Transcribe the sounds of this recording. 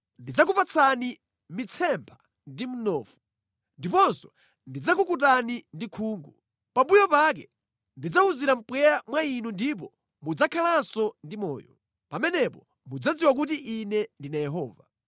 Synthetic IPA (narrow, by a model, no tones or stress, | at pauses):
ndid͡zakupat͡sʰani | mit͡sʰɛmpʰa | ndim̩nɔːfu | ndipɔnsɔ̥ | ndid͡zakukutanindikʰuːŋɡu | pambujɔpak̬ɛ | ndid͡zauziɾam̩pwɛɾamwainundip̬ɔ | mud͡zakʰalasɔndimɔːjɔ | pamɛnɛpɔ | mud͡zad͡ziwak̬ut̬iʔinɛndinajɛɦɔːva